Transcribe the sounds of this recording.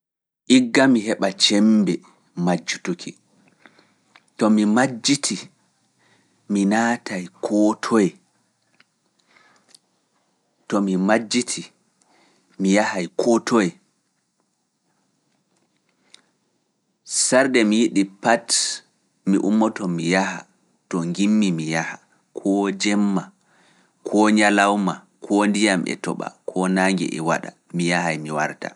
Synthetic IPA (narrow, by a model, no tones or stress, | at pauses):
ʔiɡːamiɦɛɓat͡ʃɛmbɛ | mad͡ʒːutukʰi | tɔmimad͡ʒːitʰi | minaːtajkʰɔtʰɔjɛ | tɔmimad͡ʒːitʰi | mijahajkʰɔtʰɔjɛ | saɾdɛmijiɗipat | miʔumːɔtɔmijaha̰ | tɔŋɡimːimijaha | kʰɔd͡ʒɛmːa | kʰɔɲalawma | kʰɔndijamɛ̰tɔɓa̰kʰɔnaːŋɡɛ̰ʔɛ̰wa̰ɗa̰ | mijahajmiwaɾta̰